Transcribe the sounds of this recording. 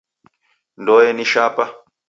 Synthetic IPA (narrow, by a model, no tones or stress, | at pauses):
ndɔjɛniʃapa